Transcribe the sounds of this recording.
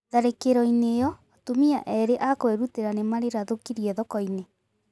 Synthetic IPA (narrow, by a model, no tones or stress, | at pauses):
ðaɾekeɾɔinejɔ | tomiaʔɛɾeʔakoeɾuteɾanemaɾeɾaðokiɾiɛðɔkɔine